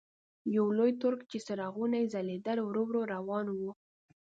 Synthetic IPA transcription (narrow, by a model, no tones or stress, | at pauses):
jawlojt̪ʊɾkt͡ʃesəɾɑɣunajzaled̪alowɾowɾoɾawɑnwu